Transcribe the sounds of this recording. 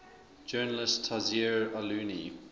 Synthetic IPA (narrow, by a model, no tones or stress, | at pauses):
d͡ʒɜːnəlɪstʰːazɛɹaluːni